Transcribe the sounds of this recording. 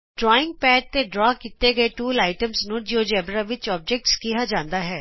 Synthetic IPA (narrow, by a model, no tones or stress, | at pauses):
ɖɾɔːɪ̃ŋɡ̚pɛːʈ̚t̪eɖɾɔːkit̪eɡəeʈuːlaːɪʈəmsnũːd͡ʒoːd͡ʒɛːbɾaʋɪt͡ʃɔːb̚d͡ʒɛk̚ʈskiɦaːd͡ʒãːnd̪aːɦɛː